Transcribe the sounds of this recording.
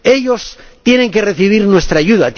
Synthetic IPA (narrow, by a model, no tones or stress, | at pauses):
e̞ʎo̞st̪je̞ne̞ŋke̞reθiβ̞iɾnwest̪ɾaːʝuðat̪